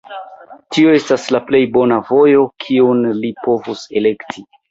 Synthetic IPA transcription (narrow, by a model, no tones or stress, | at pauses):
tio̞e̞staslaple̞jbo̞navo̞jo̞kʰiunlipo̞vuse̞le̞ktʰi